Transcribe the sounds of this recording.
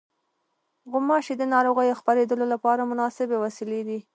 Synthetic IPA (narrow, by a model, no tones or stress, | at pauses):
ɣʊmːɑʃid̪ənɑɾoɣəjəxpaɾed̪əlolapɑɾamʊnɑsɪbewasiled̪i